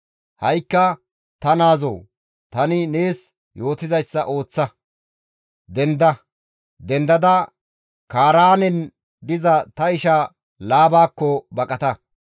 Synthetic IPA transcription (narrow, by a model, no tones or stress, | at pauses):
hɐjkːɐ | t̪ɐnaːzoː | t̪ɐnɪne̞ːs | jo̞ːt̪ɪzɐjsːɐʔo̞ːt͡sːɐ | d̪ɛnd̪ɐ | d̪ɛnd̪ɐd̪ɐ | kaːɾaːnɛn | d̪ɪzɐt̪ɐɪʃɐ | laːbaːkːɔbɐkʼɐt̪ɐ